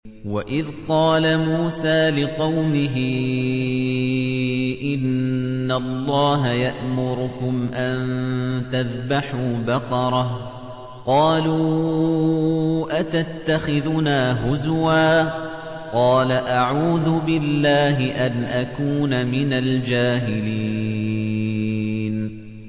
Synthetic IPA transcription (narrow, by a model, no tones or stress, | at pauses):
waʔɪðqɑːlamuːsaːlɪqɑwmɪɦɪ | ʔɪnːalˤːɑːɦajaʔmʊɾʊkʊmʔant̪aðbaħuːbɑqɑɾˤɑh | qɑːluː | ʔat̪at̪ːaxɪðʊnaːɦʊzwaː | qɑːlaʔaʕuːðʊbɪlːaːɦɪʔanʔakuːnamɪnald͡ʒaːɦɪli | n